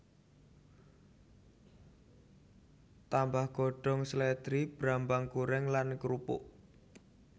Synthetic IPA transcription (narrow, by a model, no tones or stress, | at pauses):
t̪ambahɡ̥ɔɖ̥ɔ̤ŋslɛt̪ɾib̥ɾambaŋkuɾɛŋlankɾupʊ̰ʔ